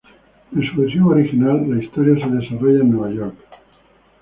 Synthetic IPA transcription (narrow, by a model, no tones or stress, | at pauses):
ensuβesjoβoɾixinalːaist̪oɾjaseðe̞saro̞ʝaenweβ̞aʝoɾk